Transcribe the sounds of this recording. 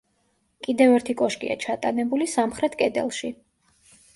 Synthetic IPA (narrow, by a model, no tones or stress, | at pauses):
kʼid̪ɛvɛɾt̪ʰikʼɔʃkʼḭa̰t͡ʃʰat̪ʼanɛbulisamχɾɛt̪ʰkʼɛd̪ɛ̰lˠʃi